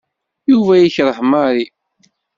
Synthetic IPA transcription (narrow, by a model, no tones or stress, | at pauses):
juvæjiçɾˤəħmɑɾˤi